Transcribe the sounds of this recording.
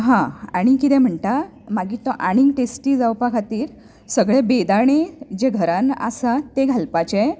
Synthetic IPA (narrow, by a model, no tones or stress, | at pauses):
ɦãaɽ̃ikit̪ɛ̃m̤əɳt̪a | maɡiːt̪ɔʔaɽ̃iŋɡʈesʈiːd͡zawpakʰat̪iːɾ | səɡɭebed̪aɳ̃ed͡ʑeɡʱəɾãna̰sat̪eɡʱalpat͡ɕe